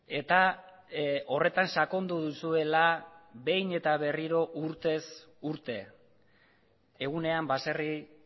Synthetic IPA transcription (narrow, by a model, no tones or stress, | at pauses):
e̞t̪a | o̞re̞t̪ansako̞nd̪uðusue̞labe̞jne̞t̪aβ̞e̞riɾo̞ʔuɾt̪e̞s | uɾt̪e̞ | ɣ̞une̞ambaseri